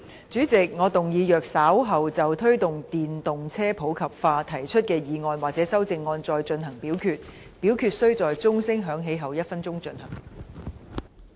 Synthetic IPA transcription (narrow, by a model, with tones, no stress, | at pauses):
t͡ʃyː˨˥t͡sɪ˨k̚ŋɔː˨˧t̪ʊ˨ŋjiː˨˧jœː˨k̚saː˨˥wɦɐ˨wt͡sɐ˨wt̪ʰɵ˥ɥt̪ʊ˨ŋt̪iː˨nt̪ʊ˨ŋt͡sʰɛː˥pʰo˨˥wkʰɐ˨p̚faː˧t̪ʰɐ˨˩jt͡ʃʰɵ˥t̚kɛː˧jiː˨˧ŋɔː˧nwaː˨k̚t͡sɛː˨˥sɐ˥wt͡sɪ˧ŋːɔː˧nt͡sɔː˧jt͡ʃɵ˧nɦɐ˨˩ŋpiː˨˥wkʰyː˧t̚ | piː˨˥wkʰyː˧t̚sɵ˥ɥt͡sɔː˨jt͡sʊ˥ŋsɪ˥ŋɦœː˨˥ŋɦe˨˥jɦɐ˨˩wjɐ˥t̚fɐ˥nt͡sʊ˥ŋt͡ʃɵ˧nhɐ˨˩ŋ